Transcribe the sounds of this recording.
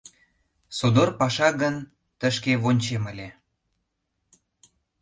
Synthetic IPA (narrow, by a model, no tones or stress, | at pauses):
sod̪orpɑʃɑɣən | t̪əʃkeβonʲt͡ɕeməlʲe